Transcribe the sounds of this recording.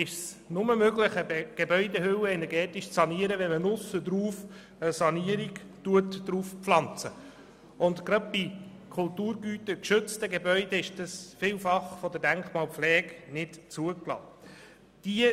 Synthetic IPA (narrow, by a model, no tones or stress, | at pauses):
ɪʃs | nʊməmøɡləχəbeɡ̥ebœʏdehʏwəɛnɛɾɡɛːtiʃt͡sɑniəɾəʋɛmənʊsəd̪ɾuːf | əsɑniəɾiɡtuətd̥ɾuːfpflɑnt͡sə | ʊndkɾɑd̚bi | kʰʊltuːɾɡyːtəkʃʏt͡stəɡebœʏd̪eɪʃd̥əsfɪːwfɑχfɔd̪ədæŋkχmɑːlpflɛːɡnɪtt͡suəklɑ̰ː | d̥iə